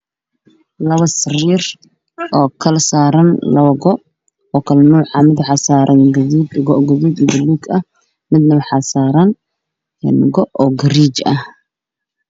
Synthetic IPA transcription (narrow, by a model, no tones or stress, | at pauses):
lɐβɐsɪriːr | ʔɔːkʰɐlsaːɾɐnlɐβɐɡɔʔ | ɔːkʰɐlɐnʊwħɑmɪd̪ħɑsaːɾʔɐŋɡɐðiːd̪ɡɔʔɡɐðiːd̪idɐliːɡɐh | mɪd̪nɐwħɑsaːɾɐn | ɛnɡɔʔɔːɡɐɾiːt͡ʃɐ̰h